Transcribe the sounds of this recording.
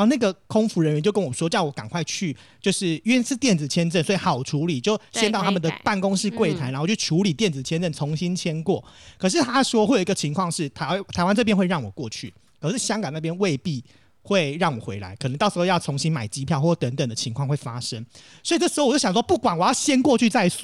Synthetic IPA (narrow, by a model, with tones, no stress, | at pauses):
na˥˩ɡə˩kʰo˥ŋfu˧˥ɻə˧˦ɥɛ˧˦t͡ɕjo˥˩ʊkə˦nwɔ˨˩ʂwɔ˥t͡ɕjɑ˥˩ʊwɔ˧˦˥ka˨˩ŋkʰwa˥˧ɪt͡ɕʰy˥˩ | t͡ɕjo˥˧ʊʂɻ̩˥˩y˥˧˥sɻ̩˥˧t̪jɛ˥˩nd͡z̩˨˩t͡ɕʰjɛ˥nʈ͡ʂə˥˩nswɔ˧˥i˨˩xɑ˨˩ʊʈ͡ʂʰu˧˥li˨˩t͡ɕjo˥˩ʊɕɛ˥nt̪ɑ˥˩ʊt̪ʰa˥mə˨də˨pa˥˩nkʊ˥ŋʂɻ̩˥˧kwe˥˩ɪt̪ʰa˧˥ɪna˨˧˥t͡ɕʰo˥˩ʈ͡ʂʰu˨˥li˨˩t̪jɛ˥˩nd͡z̩˨t͡ɕʰjɛ˥nʈ͡ʂə˥˩nt͡sʰo˧˥ŋɕi˦nt͡ɕʰjɛ˥nkwɔ˥˩ | kʰʂ̬ɻ̩˥˩t̪ʰa˥ʂwɔ˥xwe˥˩jo˨˩i˦ɡə˨t͡ɕʰi˧˥ŋkʰwɑ˥˧ŋʂɻ̩˥˩t̪ʰa˧t̪ʰa˧˥ɪwa˥nʈ͡ʂɤ˥˧p̬jɛ˥nxwe˧ɻɑ˥˩ŋwɔ˨˩kwɔ˥˧t͡ɕʰy̰˥˩ | kʰə˨˩ʂɻ̩˥˩ɕjɑ˥ŋkɑ˨˩na˥˩pjɛ˥nwe˥˧ɪpi˥˧ | xwe˥˧ɪɻɑ˥˩ŋwɔ̰˨˩xwe˧˥ɪla̰˧˦ɪk̪ʰə˧˦ŋt̪ʂ̩˧xjɑ˥˩ʊt͡sʰo˧˥ŋɕi˦nma˨˩ɪt͡ɕi˥pʰjɑ˥˧ʊxwt̪ə˧˦˥ŋt̪ə˨˩ŋd̪ə˦t͡ɕʰi˧˥ŋkʰwɑ˥˧ŋxwe˥˩ɪfa˦ʂə˦ŋ | swi˨˩ʈ͡ʂɤ˥˩ʂɻ̩˧xo˥˩wo˥˩jɑ˨˩swɔ˥pu˥˩kwa˨˩nwɔ˨˩jɑ˥˩ʊɕjɛ˦˥nkwɔ˥˧t͡ɕʰy˥˧t͡sa˥˧ɪ˥˩